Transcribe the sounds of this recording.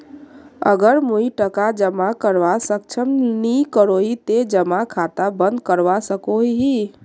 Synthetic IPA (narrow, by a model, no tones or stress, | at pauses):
ə̰ɡəɾmuiʈəkad͡ʒəmakəɾʋasək̚t͡ʃʰəmnikəɾoit̪ed͡ʒəmakʰat̪abənd̪̚kəɾʋasəkoiɦi